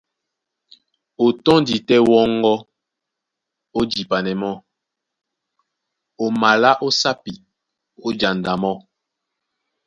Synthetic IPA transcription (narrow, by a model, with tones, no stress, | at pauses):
o˨tɔ˦ndi˨tɛ˦wɔ˦ŋ˦ɡɔ˦ | o˦d͡ʒi˨pa˨nɛ˨mɔ˦ | o˨ma˨la˦ʔo˦sa˦pi˨ | o˦d͡ʒa˨nda˨mɔ˦